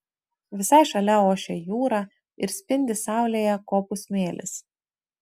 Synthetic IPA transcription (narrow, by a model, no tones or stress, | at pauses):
ʋʲɪsɑɪʃɐlʲɛoːʃʲejuːɾɑ | ɪɾsʲpʲɪnʲd̪ʲɪsɑˑʊlʲeːjɛkoːpʊsʲmʲeːlʲʔɪ̰s